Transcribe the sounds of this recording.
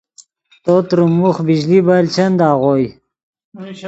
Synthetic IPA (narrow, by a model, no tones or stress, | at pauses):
t̪ot̪ɾumuχbiʑlibalt͡ʃɐnd̪ɑːʁoj